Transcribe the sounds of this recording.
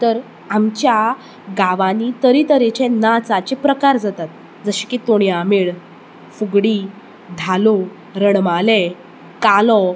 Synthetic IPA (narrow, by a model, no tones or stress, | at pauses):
t̪əɾ | amt͡ɕja | ɡaʋanit̪əɾit̪əɾet͡ɕenat͡sat͡ɕepɾəkaɾd͡zat̪at̪̚ | d͡zəɕi̥kit̪oɳ̃jameɭ | fuɡɽi | d̪ʱalo | ɾəɳmale | kalɔ